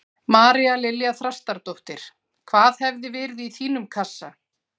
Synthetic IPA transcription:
maːɾialɪljaθɾast̪aɾt̪owht̪ɪɾ̥ | kʰvaːðhɛvðɪvɛːɾɪðiθiːnʏmkʰasːa̰

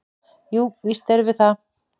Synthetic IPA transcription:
juːvist̪ɛɾvɪθa

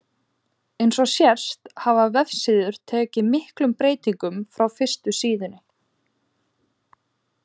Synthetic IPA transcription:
ejnsɔsjɛr̥st̪havavɛfsɪðʏɾ̥t̪ʰɛːcɪmɪhklʏmpɾeːjt̪iŋkʏmfɾawfɪr̥st̪ʏsiːðʏnɪ

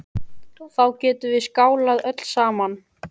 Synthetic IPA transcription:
θawcɛːt̪ʏvɪskaːwlaðœt̪l̥saːman

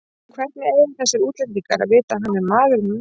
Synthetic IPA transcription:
kʰvɛr̥t̪nɪɛɪmθɛsːɪɾuːt̪lɛniŋka̰ɾa̰ðvɪːt̪aɦanːɛɾmaːðʏɾnʏ

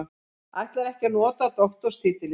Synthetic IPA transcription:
a̰jht̪laɾɛhcɛnɔːt̪at̪ɔxt̪ɔɾ̥st̪ʰiːt̪ɪl

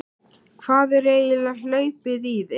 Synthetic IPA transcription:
kʰvaːðɛɾeːjɪlal̥œːɥpɪðið

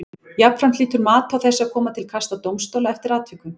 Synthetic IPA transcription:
jap̪fɾamt̪liːt̪ʏɾmaːt̪awθɛsːɪakʰɔːmat̪ʰɪlkʰast̪at̪owmst̪ɔwlaɛft̪ɪɾaːt̪ʰvikʏn

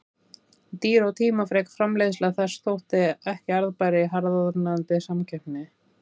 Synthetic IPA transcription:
t̪iːɾawt̪ʰiːmafɾɛːkfɾamlejðʏslɛɣθɛrst̪owht̪ɪɛhcɪaɾðpajɾɪɦaɾðanant̪ɪsamcʰɛm̥pnɪ

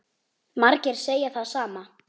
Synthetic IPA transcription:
maɾcɛɾ̥seːjaθaðsaːma

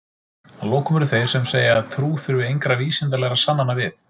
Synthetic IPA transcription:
aloːwkʰʏmʏɾʏθej̥sɛmseːjɪaðt̪ʰɾuːθʏɾvʏejŋkɾaviːsɪnt̪̬alɛɣasanːanːavɪθ

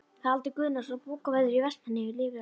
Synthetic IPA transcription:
θaðalt̪ɪkʏːðnasapuːkavaðʏɾivɛst̪hanːɪɪliːvɪ

